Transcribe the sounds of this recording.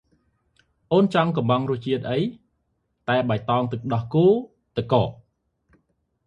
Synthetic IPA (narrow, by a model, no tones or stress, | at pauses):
ʔoːnt͡ɕɑŋkɑmbɑŋrŭəht͡ɕiət̪̚ʔəj | t̪aɛɓat̪ɑːŋt̪ɨk̚ɗɑhkuː | t̪ɨkːɔ̰ːʔ